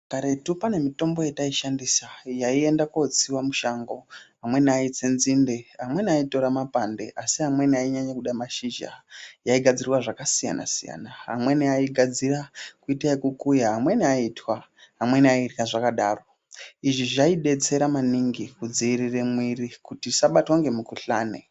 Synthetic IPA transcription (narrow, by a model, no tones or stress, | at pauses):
kaɾe̞tupane̞mito̞mbo̞je̞taiʃandisajaie̞ndakot͡siwamuʃaŋɡo̞ɦamwe̞niait͡senzinde̞ɦamwe̞niaito̞ɾamapande̞ʔasiɦamwe̞niaiɲaɲakuɗamaʃiʒa̰jaiɡʱad͡zirwaʐakasija̰na̰sija̰naɦa̰mwe̞niaiɡʱad͡zirakuitaikukujaɦamwe̞niaitwaɦamwe̞niairikaʐakaɗaro̞ | iʐiʐaiɗe̞t͡se̞ɾamaniŋɡikud͡ziːriremwirikutisaɓatwaŋɡe̞mukuɬaːnḛ